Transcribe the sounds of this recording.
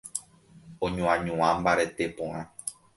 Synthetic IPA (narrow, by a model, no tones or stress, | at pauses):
õɲõãɲũãmbaɾe̞t̪e̞põʔã